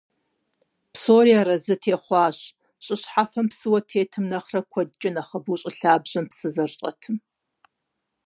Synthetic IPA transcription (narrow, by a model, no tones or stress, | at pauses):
psoːriaɾɐzɨtʰeːχʷɑːɕ | ɕʼɪɕħafɐmpsɨwɐtʰeːtʰɨmnɐχrɐkʷʰɐdd͡ʒʼɪnɐχɐbuːɕʼɪɬaːbʑɐmpsɨzɐrɕʼɐ̰tʰɨm